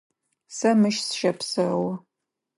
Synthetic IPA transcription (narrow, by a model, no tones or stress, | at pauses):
sɐmɨʃsʃɐpsɐwɐ